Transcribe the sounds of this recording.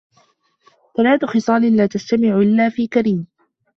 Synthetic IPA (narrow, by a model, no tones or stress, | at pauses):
t̪alaːt̪ʊxɨsˤɑːlɪlaːt̪ast̪amɪʕʔɪlːaːfiːkaɾiːm